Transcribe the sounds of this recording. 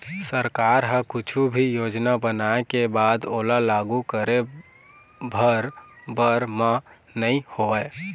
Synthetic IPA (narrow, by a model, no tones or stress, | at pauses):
səɾkaːɾɦə̃kʊt͡ʃʰubʱijoːd͡ʒnabənaekebaːd̪oːlalaɡukəɾe | bʱəɾbəɾmã | nəĩhoɛ